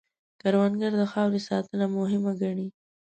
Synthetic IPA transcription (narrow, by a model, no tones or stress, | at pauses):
kaɾwanɡaɾd̪əxɑwɾesɑt̪ənamʊɦɪmaɡaɳi